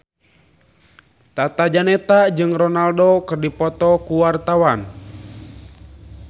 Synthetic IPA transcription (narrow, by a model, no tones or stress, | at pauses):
t̪at̪ad͡ʒanɛt̪ad͡ʒɨŋrɔnaldokɨrdipɔt̪ɔkuwart̪awan